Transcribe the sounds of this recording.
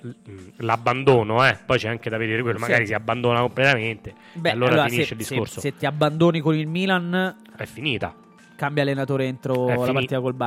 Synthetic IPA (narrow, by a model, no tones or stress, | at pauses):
labːand̪oːnoɛpːɔjt͡ʃɛaŋked̪aved̪eːɾekwelːoomaɡɡaːɾisiabːand̪oːnakomplet̪ament̪e | bɛaloaːlɾaːoːɾafisnieʃːeld̪iskoɾsoset̪ːiabːand̪oːnikonilmiːlan | ɛfːiniːt̪a̰ | kambjalːenat̪oːɾeent̪ɾolapat̪iːt̪akolba